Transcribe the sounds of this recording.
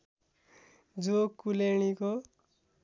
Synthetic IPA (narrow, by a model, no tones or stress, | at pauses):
d͡zokuleɽ̃iko